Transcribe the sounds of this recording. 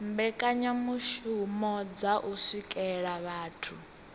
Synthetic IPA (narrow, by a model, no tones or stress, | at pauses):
mbɛkʼaɲamuʃumɔd͡zaʔusʷikʼɛɺaβaːtʰu